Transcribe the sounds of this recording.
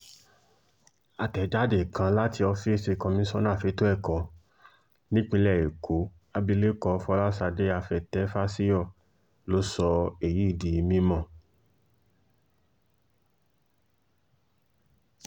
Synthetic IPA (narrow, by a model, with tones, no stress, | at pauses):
a˧tɛ˨d͡ʒa˦de˨kã˧la˦ti˧ɔ˧fi˦si˧kɔ˧mĩ˨˦sɔ˦nãː˦˨fe˨˧˦to˦ɛ˦˨kɔ˨˦ | nĩ˦k͡pĩ˧lɛ˦˨e˨kʰo˨˦ | a˧bi˧le˦kɔ˧fɔ˧˦la˦sa˧de˦a˧fɛ˨tɛ˨˦fa˦si˦jɔ˦˨ | lo˨˦sɔ˧e˨ji˨˦i˦˨di˨i˧mĩ˦mɔ̃˦˨